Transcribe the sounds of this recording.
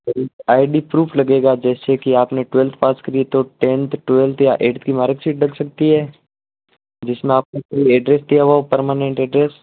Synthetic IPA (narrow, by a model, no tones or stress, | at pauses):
ɔɾeːkaːɪɖipɾuːfʰlɐɡeːɡad͡ʒɛːsekiaːpneʈʊʋɛlt̪ʰpaːskɐɾiet̪oʈẽːnt̪ʰʈʋɛlt̪ʰjaʔeːʈt̪ʰkimaːɾəksiːʈ̚ɖɐksɐk̚t̪iɦɛː | d͡ʒɪsmẽaːpnekɐiɛɖɾeːsd̪ijaʋaopɐɾmaːnẽɳʈɛɖɾeːs